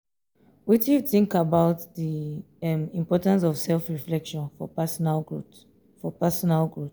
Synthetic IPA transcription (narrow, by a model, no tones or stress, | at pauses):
witiθĩŋkabaʊtði | ɛmĩmpɔtãns̬ɔv̥sɛlfɹiflɛkʃɔ̃nfɔsalu | fɔpɛsɔnalɡɹut